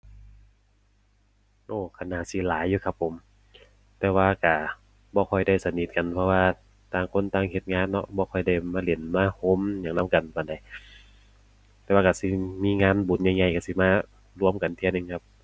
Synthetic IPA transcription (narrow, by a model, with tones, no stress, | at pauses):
ʔoː˧˩kʰa˧naː˧˩t̪̚si˧˦laː˨˦jːuː˧kʰa˧p̚ʰːo˨˦m | t̪ɛː˧waː˧ka˧˩ | bɔː˧˦kʰɔ˧˩jda˧˩jsa˧˦ni˧t̪̚ka˨npʰɔ˧waː˧ | t̪aː˧˩˨ŋkʰo˧˥˨nt̪aː˧˨ŋhe˧˦t̪̚ŋaː˧˥˨nːɔ̰˧˥ʔbɔː˧˦kʰɔ˧˩jda˧˥˩jmaː˧˨le˨˧˦nmaː˧˨ho˧˥˨mɲaː˨˩ŋna˧˥˨ka˨˩npa˨nda˨˦j | t̪ɛː˧waː˧ka˧˩si˧˦miː˧˥˨ŋaː˧˥˨nbuː˨˦nɲa˧jŋa˧˩jka˧˨si˧˦maː˧˥˨ | lu˧əmka˨nt̪ʰnɯ˧ŋkʰa˧p̚